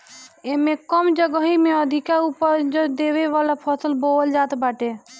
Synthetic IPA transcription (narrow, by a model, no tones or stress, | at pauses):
emekəmd͡ʒəɡəɦimeəd̪ʱikaupəɾd͡ʒd̪eʋeʋalapʰəsəlbold͡ʒat̪baʈe